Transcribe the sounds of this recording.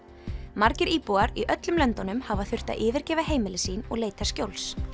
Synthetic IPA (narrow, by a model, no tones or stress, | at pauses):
maɾcɪɾiːpuaɾiʔœt̪lʏmlœnt̪ɔnʏmhavaθʏr̥t̪a̰ʔɪːvɪɾcɛːvaɦeːjmɪlɪsiːnɔ̰ɣleːjt̪ascjowls